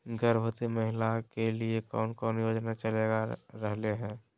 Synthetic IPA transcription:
ɡəɾbʱət̪iməɦɪlakeliekɔːnkɔːnjoːd͡ʒnat͡ʃəleɡaɾəɦleɦɛ̃ː

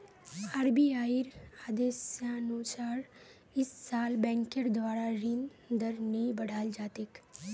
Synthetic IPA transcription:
aːɾbiaːiɾaːd̪eːsanut͡ʃaːɾ | ɪsːaːlbɛ̃ːŋkəɾd̪ʋaːɾaɾɪn | d̪əɾnəĩbɐɽ̤ʱaːld͡ʒaːt̪ek

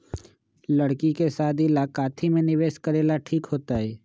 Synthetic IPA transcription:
ləɽkikesaːd̪ɪlaːkaːt̪ʰimẽnɪʋeːʃkəɾeːlaʈʰiːkɦoːt̪aɦɛː

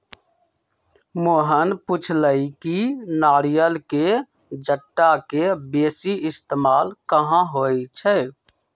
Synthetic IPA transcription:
moːɦənput͡ʃʰləikinaːɾijəlke | d͡ʒəʈːakebeːsiɪst̪eːmaːlkəɦãɦojt͡ʃʰɛ

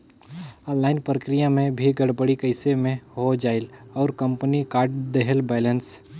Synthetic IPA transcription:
ɔ̃ːnlaːɪnpɾəkɾijamẽbʱiɡəɽbəɽikəɪsemẽɦod͡ʒaːɪlɔːɾkə̃mpənikaːɾɖd̪eɦəlbɛːləns

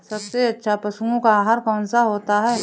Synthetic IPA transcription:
sɐbseɐttːʃʰapɐsũɡõkaːɦaɾkɔːnsaɦoːt̪aɦɛː

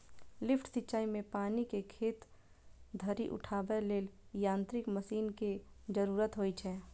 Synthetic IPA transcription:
lɪpʈsɪtːʃaːimẽpaːnikekʰeːt̪ | d̪ʱəɾḭʔʊ̰ʈʰaːbeleːljãːnt̪ɾɪkməsiːnke | d͡ʒəɾuːɾət̪ɦoːit͡ʃʰɛː

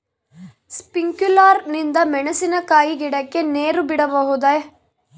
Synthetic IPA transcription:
spiŋkulaːɾnind̪ɐmɛɳɐsinɐkaːjiɡiɽɐkːe̞neːɾubiɽɐbɐɦud̪ɐ

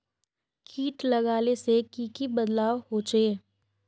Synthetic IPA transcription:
kʰiːʈlɐɡaːlesekiːkibəd̪laːʋhot͡ʃeː

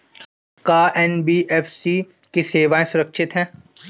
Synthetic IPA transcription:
kaːʔɛnbiːʔɛːfsiː | keseːʋaːẽsʊɾəkʃʰɪt̪ɦɛ̃ː

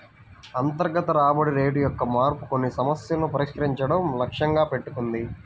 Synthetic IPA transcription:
ɐnt̪ɐɾɡɐt̪ɐɾaːbɐɽiɾe̞ːɖujɔkːɐmaːɾpu̥ko̞nːisɐmɐsjɐlɐnupɐɾiʂkɐɾiɲt͡ʃɐɽɐmlɐkʂɐŋɡaːpe̞ʈːukund̪i

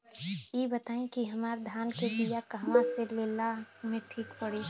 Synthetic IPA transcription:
jebət̪aːĩkiɦəmaːɾd̪ʱjaːnkebijakəɦmaselelamẽʈʰiːkpəɽi

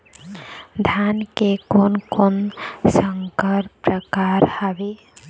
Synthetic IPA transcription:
d̪ʱankekonkonsəŋkəɾpɾəkaɾhəbe

